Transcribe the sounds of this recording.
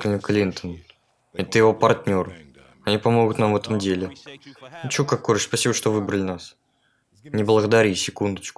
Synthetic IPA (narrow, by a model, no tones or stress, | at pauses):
klʲnʲɪklʲint̪ən | ɛt̪əjɪvo̞pɐrtʲnʲo̞r | ɐnʲipɐmo̞ɡʊt̪namvɛt̪əmdʲelʲɪ | t͡ɕokakːoɾʂspɐsʲibəʂt̪o̞vɨbɾəlʲɪnas | nʲɪblˠəɣəd̪ɐaɾʲisʲɪkund̪ət͡ɕkʊ̥